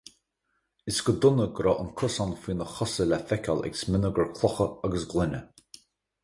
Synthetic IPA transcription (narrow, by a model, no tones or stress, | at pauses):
ɪsɡəd̪ʊnəɡɾɔʔənkʰʊsɔnfiːnəxɔsəlafɛkʰʲalɛ̰ksmɪnəɡəɹkʰlˠɔxəaɡəsɡlɪnə